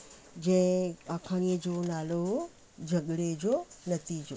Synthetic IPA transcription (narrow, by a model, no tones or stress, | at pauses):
d͡ʑɐ̃ɪ̃aːkʰaːñiəd͡ʑoːnaːlo | d͡ʑʱɐɠɽed͡ʑonɐt̪iːd͡ʑo